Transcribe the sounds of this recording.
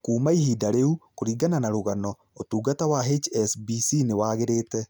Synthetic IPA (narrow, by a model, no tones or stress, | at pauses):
kuːmaihidaɾeukoɾiɡananaɾoɣanɔ | otuːɡatawaɦet͡ʃɛsbisinewaːɣeɾeːtɛ